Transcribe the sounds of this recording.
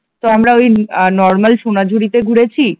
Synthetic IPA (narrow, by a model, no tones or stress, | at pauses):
t̪oamɾaojnɔɾmalʃonad͡ʑʱuɽit̪eɡʱuɽet͡ɕʰi